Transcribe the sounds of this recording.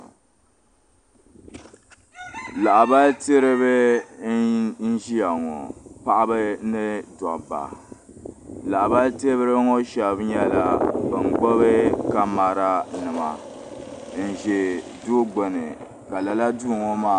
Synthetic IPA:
la˨ʔba˦lte˦ɾɨ˦βɨ˦ | n̩˦ʒi˦ja˨ŋɔ̰˨pa˦ʔa˦bɨ˦nɨ˦da˨ba̰˨ | la˨ʔba˦lte˦bɨ˦ɾɨ˦ŋo˦ʃɛ˨bɲɛ˦la˨bɨ˨ŋ˨ɡ͡bo˦βɨ˦ka˦ma˨ɾa˦nɨ˨ma̰˨ | n̩˨ʒɛ˨ | do˦ɡ͡bo˨nɨ̰˨ | ka˨la˨la˦duː˦˨ŋɔ˦maː˦˨

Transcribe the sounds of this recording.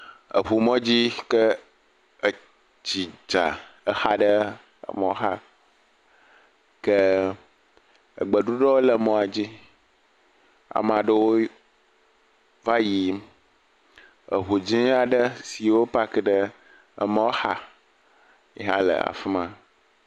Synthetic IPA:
ə̰˨ɸu˨mɔ̃˦d͡ʑi˦kə˦˨ | t͡ɕi˨d͡ʒa̰˨ə˨xa˦ɖə˦ | ə̰˨mɔ˨o˦ɦa˦ | kə˦ | ə̰˨ɡ͡bə˨ɖu˦ɖɔ˦wo˦lə˨mɔ̃˨a˨d͡ʑi˦ | a̰˨mã˨ɖə˦wo˦ | va˦ji˨ | ə̰˨ɦu˨d͡ʑĩ˦a˨ɖə˦si˨wo˦pa˦kə˦ɖə˦ | ə̰˨mə̃˦wo˦ha˦ | e˨ɦã̰˦lə̰˨a̰˨fi˦mã˦

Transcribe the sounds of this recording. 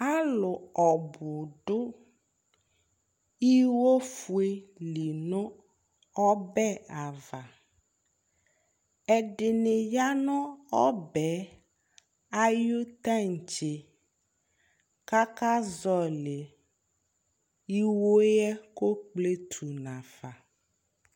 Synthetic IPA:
a˦lʊ˨ɔ˨bʊ˨ɖʊ˦ | i˦wo˦fu˨e˨li˨nɔ̃˦ | ɔ˦bɛ˦a˨va˨ | ɛ˨ɖɪ˨nɪ˨ja˦nɔ̃˦ɔ˦bɛ˨˦ | a˦ju˦t̪a˦˨n˨t͡ʃe˨ | ka˦ka˦zɔ˦le˨ | i˦wo˦jɛ˦ko˦k͡ple˦t̪ʰu˨nã˨fa˨

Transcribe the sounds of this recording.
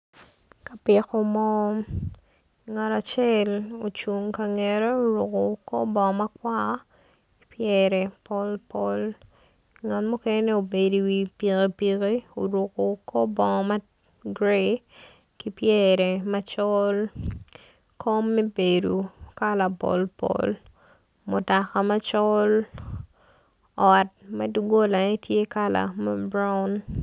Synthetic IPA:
ka˨pɪ˨ko˦mɔ˦ | ŋa˨tat͡ʃɛ˦lo˨t͡ʃu˨ŋkaŋɛɾe˦o˨ɾʊ˨ko˨kɔ˦bɔ˨ŋɔ˨ma˦kwa˦ | pjɛɾɛpɔ˦lpɔl | ŋa˨tmɔ˦kene˦o˨be˨di˨wipi˨kipiki˦o˨ɾʊ˨ko˨kɔ˦bɔ˨ŋɔma˦ | ɡɾe | ki˦pjɛɾɛ˨mat͡ʃɔ˦l | kʰo˦mːɛ˦be˨du˨ka˦la˨pɔ̰˨lpɔ̰l | mʊ˨ta˨ka˨ma˦t͡ʃɔ˦l | ɔt̚mɐ˦duɡo˦la˨ɛ˦tje˦ka˦la̰˨ma˦bɾa˦ʊn

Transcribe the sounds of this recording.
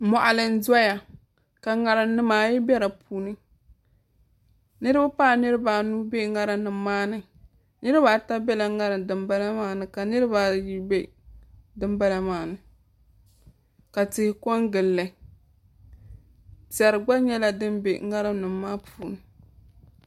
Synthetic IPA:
mɔ˨ʔa˨lɨ˨n̩˦za˦ja˨ | ka˨ŋa˨ɾɨ˨nɨ˦maː˨˦jɪ˦bɛ˦ɾa˨puː˨nɨ˦ | nɨ˦ɾɨ˦ba˦paː˦˨nɨ˦ɾɨ˦baː˨nu˦be˦ŋa˦ɾa˦nɨ˨mmaː˦nɨ˨ | nɨ˦ɾɨ˦baː˨ta˦bɛ˦la˨ŋa˦ɾɨ˨dɨ˨mba˦la˦maː˦nɨ˨ka˨nɨ˦ɾɨ˦ba˨ji˦be˦ | dɨ˦mba˦la˦maː˨nɨ˨ | ka˨tɪ˨hɪ˨kɔ˦ŋɡɨ˨lːɨ˨ | zɛ˨ɾɨ˨ɡ͡ba˦ɲɛ˦la˦dɨ˦mbḛ˨˦ŋa˦ɾɨ˦nɨ˨mːaː˦puː˨nɨ˨

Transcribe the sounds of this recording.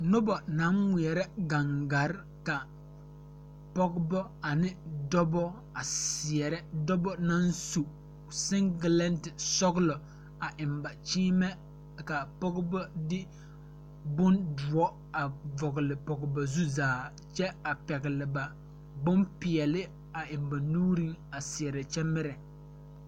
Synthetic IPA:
nʊ˦bɔ˨na˨˦ŋŋi˨ɛ˨ɾɛ˦ɡa˨ŋɡa˨ɾ | ka˨ | pɔ˦ɡbɔ˦a˨nɪ˦dɔ˦bɔ˦ | a˨si˨ɛ˨ɾɛ˦dɔ˦bɔ˦na˦nsu˨ | sɪ˦ŋɡɪ˨lɛ˦ntɪ˨sɔ˦ɡlɔ˨ | a˨ʔɪ˨mba˨t͡ʃiː˦mɛ˦˨ | ka˨pɔ˦ɡbɔ˦dɪ˦ | bʊ˦ndʊ˨ɔ˦ | a˨vɔ˨ɡɪ˨lɪ˨pɔ˨ɡɪ˨ba˨zu˦zaː˨ | t͡ʃɛ˦a˨pɛ˨ɣɪ˨lɪ˨ba˨ | bʊ˦mpɪ˨ɛ˨lɪ˦ | a˨ʔɪ˨mba˨nuː˦ɾi˦ŋa˨sɪ˨ɛ˨ɾɛ˨t͡ʃɛ˦mɪ˦ɾɛ˨

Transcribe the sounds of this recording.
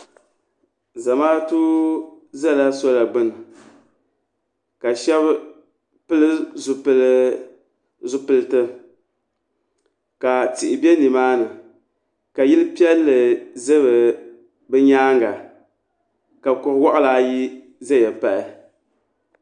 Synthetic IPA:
za˨maː˦tu˦zɛ˦˨la˦so˦la˨ɡ͡bɨ˦n˨ | ka˨ʃɛ˦b | pɨ˦lɨ˦zʊ˨pɨ˨lɨ˦ | zʊ˦pɨ˦lɨ˦tɨ˦ | ka˨ti˨ʔɪ˨bɛ˦ni˨maː˦nɨ˨ | ka˨ji˦lɨ˦pi˦ɛ˦lːɨ˨ze˦βɨ˨ | bɨ˦ɲaː˦ŋɡa˨ | ka˨kʊ˨hwɔ˦ʔa˦laː˨ji˦ | zɛ˦jɛ˨pa˨ʔɪ˨

